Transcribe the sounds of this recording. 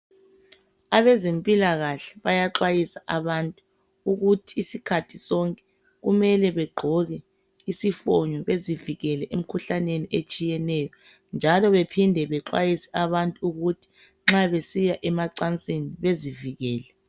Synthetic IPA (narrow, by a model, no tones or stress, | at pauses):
aβɛzempʼilaɣaɬɛ̥βajaǁwajisaʔaβantʼu | uɣutʰiːsikʰatʰisɔŋkʼɛ̥ | ɣumɛlɛβɛɡ͡ǃʱɔɣɛ | isifɔɲɔβeziviɣɛlɛʔem̩kʰuɬaneniʔet͡ʃʼijɛnɛjɔ | nd͡ʒʱalɔβepʰindʱɛβɛǁwa̰jisɛ̥aβantʼuuɣutʰi̥ | ŋ͡ǁaβesijaʔɛmaǀant͡sʼeniβeziviɣɛːlɛ